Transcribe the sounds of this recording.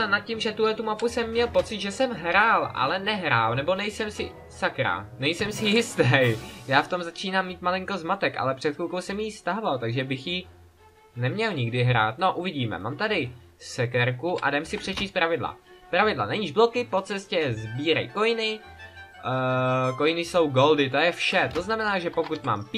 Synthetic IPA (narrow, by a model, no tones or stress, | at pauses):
nat̪̚cimʒɛt̪uɦlɛt̪umapusɛmːɲɛlpo̞t͡sɪd̪ʒɛsɛmɦɾaːlʔa̰lɛnɛɦɾaːlnɛbo̞nɛjsɛmsɪ | sakɾa̰nɛjsɛmsɪjɪst̪ɛjjaːft̪o̞mzat͡ʃiːnaːmːiːt̪malɪŋko̞zmat̪ɛkʔa̰lɛpr̝̥ɛt̪kulkowsɛmjist̪aɦvalt̪aɡʒɛbɪxji | nɛmɲɛlɲɪɡdɪɦɾa̰ːt̪no̞ʔuvɪɟiːmɛ̰maːmt̪adɪ | sɛkɛɾkuʔa̰dɛmsɪpr̥ɛt͡ʃiːst̪pɾʔavɪdla̰pɾavɪdla̰naɲiːʒblo̞kɪpo̞t͡sɛscɛzbiːɾɛ̰jko̞jɪnɪ | ko̞jɪnɪso̞wɡo̞ldɪt̪̬o̞jɛfʃɛt̪o̞znamɛnaːʒɛpokut̪ma̰ːmp